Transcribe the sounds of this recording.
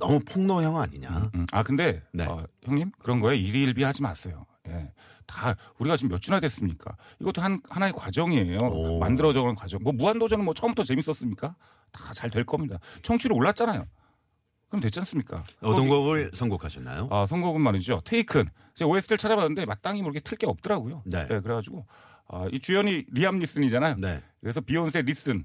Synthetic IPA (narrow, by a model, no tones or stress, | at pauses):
nʌmupʰoŋnʌjʌŋa̰ɲiɲa̰a̰kɯnde̞neʌ̰çjʌŋɲimkɯɾʌnɡʌeiɾiːɭbiɦad͡ʑima̰ns͈ʌjoje̞̰ | tauɾiɡat͡ɕomjʌt͡ɕ͈ʰunɦadwes͈ɯmɲik͈a̰iɡʌt͈ohanhanaekwad͡ʑʌŋie̞jomandɯɾʌd͡ʑʌɡnʌnkwad͡ʑʌŋmwʌmuandod͡ʑʌnɯnmwʌt͡ɕʰʌɯmbutʰʌt͡ɕe̞mis͈ʌs͈ɯmɲik͈a | tḁt͡ɕaɭdwe̞ɭk͈ʌmɲidat͡ɕʰʌŋt͡ɕʰuɾɯɭoɭːat̚t͡ɕ͈anajo̰ | kɯɾʌmntwet͡ɕ͈ʰans͈ɯmɲik͈a̰ʌtt͈ʌnɡʌbɯɭsʰʌŋɡokʰaɕʰʌnːa̰joasʰʌŋɡoɡɯnmanid͡ʑotʰeikʰɯn | id͡ʑeoes͈ɯɾɯɭt͡ɕʰad͡ʑabanːɯnde̞mat̚t͈aŋimuɾkʰetʰɯɭk͈eʌp̚t͈ɯɾaɡujonene̞k̬ɯɾeɡad͡ʑiɡo | a̰it͡ɕujʌɲiɾiamɲis͈ɯnid͡ʑanajonḛkɯɾe̞sʰʌpiʌns̬ʰe̞ɾis͈ɯn